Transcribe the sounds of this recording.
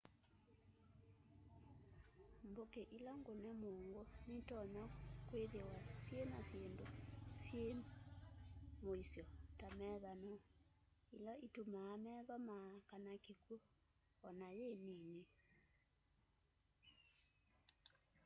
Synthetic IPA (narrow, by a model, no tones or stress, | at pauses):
mbokeʔilaŋɡonɛmoːŋɡonetɔɲakweðewasjenasjendosje | moisjɔtamɛðanɔ | ilaitumaːmɛðɔmakanakeku | ɔnajeːnine